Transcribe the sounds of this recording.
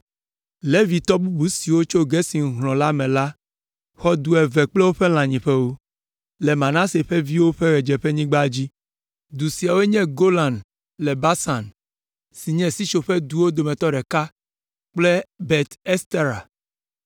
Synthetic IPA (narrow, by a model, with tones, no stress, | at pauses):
le˦vi˨t̪ɔ˦bu˦bu˨si˨wo˦t͡ʃo˦ɡɛ˦si˨ŋ˦ɦlɔ̃˨la˦mɛ̃˨la˦ | xɔ˦d̪u˦ɛ˨vɛ˨k͡plɛ˦wo˦ɸe˦l̃ã˨ɲĩ˨ɸɛ˦wo˦ | lɛ˨mã˨nã˦se˨ɸɛ˦vi˦wo˦ɸe˦ɣɛ˨d͡ʒɛ˨ɸe˦ɲĩ˦ɡ͡ba˦d͡ʑi˦ | d̪u˨si˨a˨wo˦e˦ɲɛ̃˦ɡo˦lã˨n | lɛ˨ba˦sã˨n | si˨ɲɛ̃˨si˦t͡ʃo˨ɸɛ˦d̪u˦wo˦d̪o˨mɛ̃˨t̪ɔ˦ɖɛ˨ka˦ | k͡ple˦bɛ˨t̪e˦st̪e˦ɾa̰˨